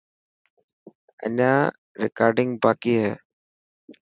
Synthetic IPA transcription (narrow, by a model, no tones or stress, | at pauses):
ɐ̰naː | ɾɪkaːɾɖɪ̃ŋɡbaːkiːɦɛ